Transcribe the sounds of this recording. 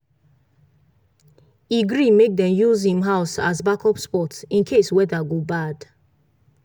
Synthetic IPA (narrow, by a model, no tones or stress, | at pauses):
iɡɹimek̚dɛ̃mjuzhĩmɦaʊsa̰zbakɔpspɔtsĩnkʰeswɛdaɡobad̥